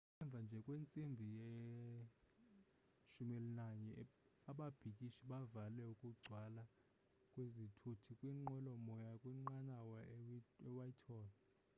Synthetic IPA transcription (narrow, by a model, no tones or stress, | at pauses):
ɛɱb̪vʱand͡ʒʱɛkʼwent͡sʼimbʱijɛ | ʃumɛlnaɲɛ | aɓab̥ʱikʼiʃiɓavalɛukʼuɡ͡ǀʱwala | kʼwezitʰutʰikʼwiŋ͡ǃɛlɔmɔjakʼwiŋ͡ǃanawɔɛwajitʰɔːlɔ